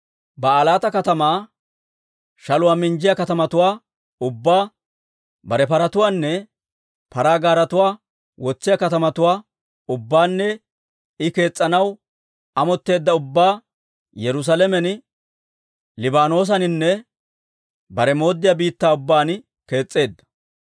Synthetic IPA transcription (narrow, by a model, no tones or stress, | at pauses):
bɐːlaːt̪ɐkɐt̪ɐmaː | ʃɐlʊwaːmɪnd͡ʒɪjɐkɐt̪ɐmɐt̪ʊwaː | ʊbːaː | bɐɾɛpɐɾɐt̪ʊwaːnːɛ | pɐɾaːɡaːɾɐt̪ʊwaː | wɔt͡sːɪjakɐt̪ɐmɐt̪ʊwaː | ʊbːaːnːɛ | ɪke̞ːt͡sʼːɐnɐw | ɐmɔt̪ːe̞ːd̪ːɐʊbːaː | jɛɾʊs̬alɛmɛn | lɪbaːno̞ːs̬ɐnɪnːɛ | bɐɾɛmo̞ːd̪ːɪjabiːt̪ːaːʊbːaːn | ke̞ːt͡sʼːe̞ːd̪ːɐ̥